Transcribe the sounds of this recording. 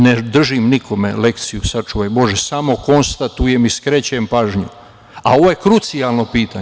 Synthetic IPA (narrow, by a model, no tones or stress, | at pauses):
ned̪r̩ʒimnikʰo̞mḛle̞kt̪sijusat͡ʃuʋajbo̞ʒesamo̞ko̞nst̪at̪ujemiskɾet͡ɕempaːʒɲu | a̰o̞ʋojekɾut̪sijalˠno̞piːt̪a